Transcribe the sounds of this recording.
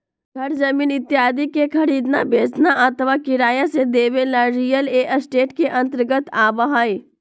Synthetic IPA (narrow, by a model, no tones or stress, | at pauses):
ɡʱɐɾd͡ʒɐmiːnɪt̪ːɪaːd̪ikekʰɐɾiːd̪nabʱeːsnaʔət̪əʋakɪɾaːjased̪eːʋelaɾijəleːʔəsʈeːʈkeʔɐ̃nt̪əɾɡət̪aːbəɦaːj